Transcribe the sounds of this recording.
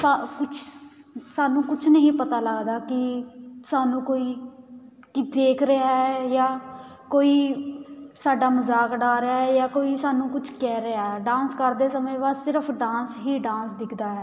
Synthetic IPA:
sakʊt͡ʃʰsaːnũːkʊt͡ʃʰnəɦĩːpət̪aːləɡd̪aːkɪsaːnũːkoːiː | kɪd̪eːkʰɾəaːɦɛːjaː | koːiː | saːɖaːməzaːkɖaːɾəaːɦɛːjaːkoːiːsaːnũːkʊt͡ʃʰkɛːɾəaːɦɛːɖãːnskəɾd̪eːsəmẽːbaːd̪sɪɾəpʰɖãːsɦiːɖãːsd̪ɪkʰd̪aːɦɛː

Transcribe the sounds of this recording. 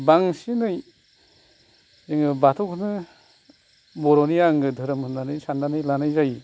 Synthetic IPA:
baŋsinɯj | eŋɯbatʰukʰɯnɯ | bɔɾɔnijaŋɡɯdʱɯɾɯmʰɯnːanɯjsandanɯjlanajzaj

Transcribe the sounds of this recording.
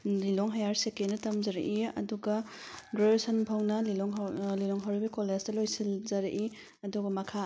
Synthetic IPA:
lilɔŋɦajaɾsekenɐtɐmzɐɾɐ̰ʔiɐ̰duɡɐ | ɡɾesɐnpʰɐwnɐlilɔŋlilɔŋɦɐwɾibikoleztɐlojsilzɐɾɐʔi | ɐduɡɐmɐkʰa

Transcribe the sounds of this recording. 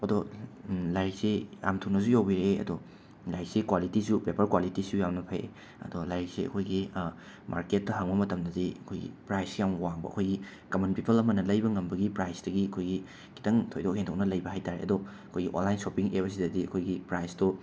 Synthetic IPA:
ɐdɔ | lajɾikseja̰mtʰunɐs̬ujawbiɾeɐ̰dɔ | lajk̚sekwalitisupepɐɾkwalitisujamnɐpʰajḛ | ɐ̰dɔlajɾik̚seɐ̰kʰojɡi | ma̰ɾket̚ːɐɦaŋbɐmɐtɐmdɐdiɐkʰojɡḭpɾajskijawwaŋbɐ̰ɐ̰kʰojɡi | kɐmɐnpipʰɐlɐmɐnɐlɐjbɐŋɐmbɐɡipɾajsdɐɡiɐkʰojɡi | kʰi̥tɐŋtʰojdokheŋtʰok̚nɐlɐjbɐɦajtaɾḛʔɐ̰dɔ | ɐkʰojɡiʔo̰nlajnsopiŋeβɐs̬idɐdiɐkʰojɡipɾajsto

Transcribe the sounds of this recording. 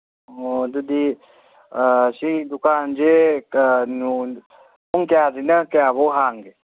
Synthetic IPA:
oːd̪ud̪i | sid̪ʊkaːnd͡ʒe | nu | uŋkjaːzinakjaːʋoɦaːŋɡe

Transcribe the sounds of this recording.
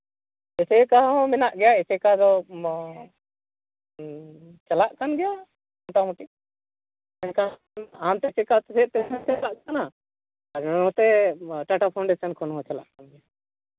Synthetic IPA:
ɛsɛkaɦɔ̃mɛnaʔɡɛjaɛsɛkad̪ɔ | t͡ʃalaʔkanɡɛja | ɔmʈamɔʈiʔ | ɛnka | amt̪ɛt͡ʃɛkat̪ɛsɛt̪ɛsɛt͡ʃɛlaʔɡɛana | aɾɔt̪ɛʈaʈapʰawɳɖɛsankʰɔnɦɔ̃t͡ʃala̰ʔkanɡɛja

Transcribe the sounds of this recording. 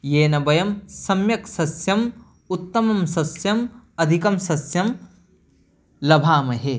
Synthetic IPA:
jeːnɐbɐjɐmsɐmjɐksɐsjɐm | ut̪ːɐmɐmsɐsjɐmɐd̪ʱikɐmsɐsjɐm | lɐbʱaːmɐɦe

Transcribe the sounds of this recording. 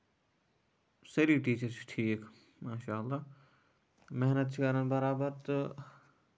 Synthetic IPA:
sɐɾiːʈiːt͡ʃəɾt͡ʃʰʈʰiːk | maːʃaːəlːaː | mɛɦnət̪̚t͡ʃʰkɐɾənbɐɾaːbəɾt̪ʊ

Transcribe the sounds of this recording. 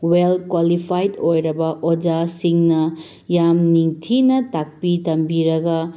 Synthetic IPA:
welkwalipʰajdojɾɐbɐʔod͡ʒasiŋnɐ | jamniŋtʰinɐtak̚pitɐmbiɾɐɡɐ

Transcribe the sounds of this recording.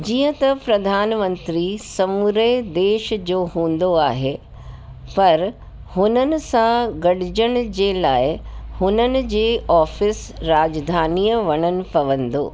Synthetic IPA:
d͡ʑiːə̃t̪ɐpɾɐd̪ʱaːnmə̃nt̪ɾisɐmuɾed̪eːʃd͡ʑoːɦũːn̆d̪oaːɦe | pɐɾ | hʊnənɪ̆sãɡɐɽ̤ɪd͡ʑəɽ̃d͡ʑeːlaːɪhʊnənɪ̆d͡ʑeːʔɔːfɪs | ɾaːd͡ʑd̪ʱaːniːjəʋɐɽ̃ənɪ̆pɐʋə̃nd̪o̰ː

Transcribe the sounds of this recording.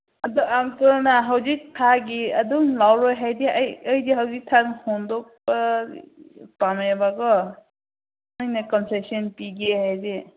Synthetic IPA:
adɔamtɔnaɦawzik̚tʰaɡiadɔŋlawɾɔjɦajdiajəjdiɦawzik̚tʰanhɔndɔk̚ba | pamjbaɡɔ | nɯjnakɔnsesiɔnpiɡeɦajde

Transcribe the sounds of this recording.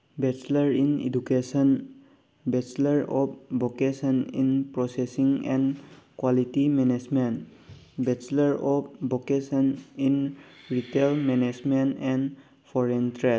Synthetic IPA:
bet͡ʃləɾinḭdukesən | bet͡ʃləɾɔp̚bokesənḭ̃npɾɔsesĩŋɛ̃nkwalitimɛned͡ʒmẽn | bet͡ʃləɾɔpbokesənin | ɾitelmɛned͡ʒmẽntɛ̃n | pʰɔɾentɾe

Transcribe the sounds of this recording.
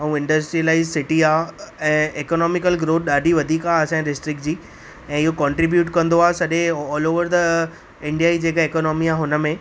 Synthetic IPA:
ɐũɪ̃ɳɖəsʈɾiəlaːɪzsɪʈiaːɛ̃ːeːkoːnɔːmɪkəlɡɾoːt̪̚ɗaːɖʱiʋɐd̪ʱiːkaɐsãɾɪsʈɾɪk̚ʈ̚d͡ʑiː | ɛ̃ːɪɦokɔ̃ɳʈɾibjuːʈkɐ̃nd̪oaːɦesɐʄẽɔːloːʋəɾd̪ɐ | ɪ̃ɳɖijaːid͡ʑeːkaeːkoːnɔːmiaːɦʊnə̆mẽ

